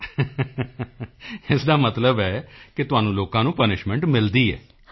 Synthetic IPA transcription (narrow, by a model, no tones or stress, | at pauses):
ɪsd̪aːmət̪ləbɛːkɪt̪ʊɦaːnũːloːkãːnũːpənɪʃmɛ̃ɳʈmɪld̪iːɛ̰ː